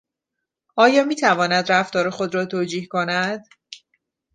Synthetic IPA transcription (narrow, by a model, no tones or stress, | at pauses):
ʔɒːjɒːmiːt̪ʰævɒːnæd̪ɾæft̪ɒːɾexo̞d̪ɾɒːt̪ʰoːd͡ʒiːhko̞næd̪̥